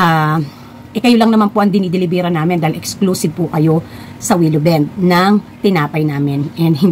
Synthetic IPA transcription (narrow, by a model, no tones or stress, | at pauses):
ʔa | ʔɪkɐjolɐŋnɐmanpoʔɐŋd̪ɪniːd̪ɪlɪbɛɾɐnaːmɪnd̪aːhɪlʔɛkskluːsɪb̚pʊkɐjo̞ | sɐwiːlobɛnd̪̚nɐŋt̪ɪnaːpɐjnaːmɪnʔɛn̚hɪ